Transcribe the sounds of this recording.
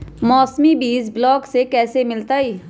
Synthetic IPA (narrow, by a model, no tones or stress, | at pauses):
mɔːsmibiːzblɔːksekɛːsemɪlt̪aiː